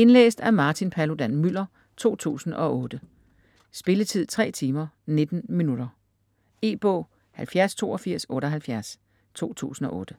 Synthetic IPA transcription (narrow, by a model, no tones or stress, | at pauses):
e̝nlḛːsd̥æɐmɑ̈ːt͡sʰinpʰælod̥ænmyl̰ɐ | t͡sʰo̝̰ːt͡sʰṵːsn̩ʔɒ̽ɔːd̥ə | sb̥e̝lət͡sʰið̞̰ˠt͡sʰʁɛ̰ːt͡sʰiːmɐne̝d̥n̩minud̥ɐ | e̝̰ːb̥ɔ̰̽ː | hælfjæɐst͡sʰo̝̰ːɒfiɐ̰sɔ̽ːɾ̥ɒɦælfjæɐs | t͡sʰo̝̰ːt͡sʰṵːsn̩ɒ̽ʔɔ̽ːd̥ə